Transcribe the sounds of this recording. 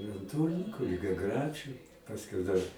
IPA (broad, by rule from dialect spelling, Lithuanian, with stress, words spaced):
ɪ ɐn ˈtuːrʲnʲɪŋkʊ lʲɪɡʲɛˈɡrʲæt͡ʃʲʊ pɐsʲˈkʲɛʊ dɐr